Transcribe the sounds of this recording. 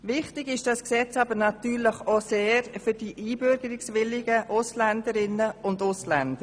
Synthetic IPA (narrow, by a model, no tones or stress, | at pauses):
ʋɪχtɪɡɪʃd̥ɑsksɛt͡sɑbəɾnɑtyːɾləχoseːɾfʏd̥iʔiːbʏɾɡəɾɪksʋɪlːɪɡəʔʊslændəɾɪnəʊndʊslænd̥əɾ